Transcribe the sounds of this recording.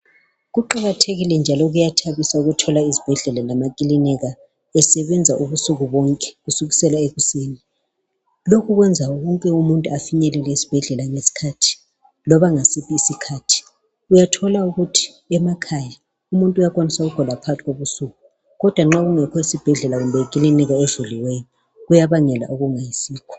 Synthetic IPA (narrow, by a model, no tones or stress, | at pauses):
ɣuǃaɣatʰeɣilɛnd͡ʒʱalɔɣujatʰaβisauɣutʰɔlaizib̥ʱɛɮɛlalamakʼilinɛɣa | ɛsɛβɛnd͡zʱaʔuβusuɣuβɔŋkʼɛ̥ɣusuɣisɛlaeɣuseːni | lokʰuɣwɛnd͡zʱaɣɔŋkʼɛumuntʼuafiɲɛlɛlɛisi̥b̥ʱɛɮɛlaŋesi̥kʰatʰi̥ | lɔβaŋasipʰiːsikʰaːtʰi̥ | ujatʰɔlauɣutʰi̥ | ɛmakʰaja | umuntʼujakʼwanisaɣuɡ̥ʱɔlapʰatʰiɣoβusuɣu | ɣɔd̥ʱwaŋ͡ǁaɣuŋɛkʰɔisib̥ʱɛɮɛlaɣumbʱɛjikʼilinɛɣaɛzuliwejɔ | ɣujaβaŋɛla̰ʔuɣuŋajisiːkʰɔ̥